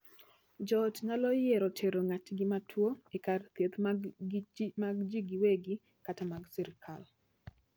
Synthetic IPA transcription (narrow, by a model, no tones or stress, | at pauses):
d͡ʒɔtŋalɔjeɾɔtʰeɾoŋatɡimatʰwoekart̪jet̪ | maɡd͡ʒiɡiweɡi | katamaɡsɛɾɪkʰal